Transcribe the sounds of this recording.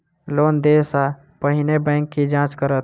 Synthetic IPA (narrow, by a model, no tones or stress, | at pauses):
loːnd̪eːsa | pəɦɪnebɛ̃ŋkːid͡ʒãːt͡ʃkəɾət̪̚